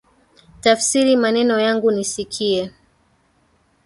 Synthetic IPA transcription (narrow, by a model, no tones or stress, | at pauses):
tafsiɾimanɛnɔjaŋɡunisikʰiɛ